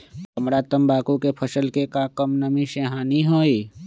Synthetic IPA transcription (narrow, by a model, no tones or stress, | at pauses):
kəmɾaːt̪əmbaːkukepʰəsəlkekakəmnəmĩʃeɦaːniɦoːiː